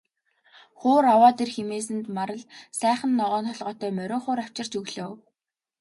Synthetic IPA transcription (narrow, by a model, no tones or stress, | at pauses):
χʊːɾawɔːt̪erxemeːs̬ɘ̆nt̪maɾə̆ɮsæːχə̆nːɔʁɔːntɔɮʁɔːt̪œːmœɾʲoːχʊːɾaw̥t͡ɕɪ̆r̥t͡ɕɵɣɮoːw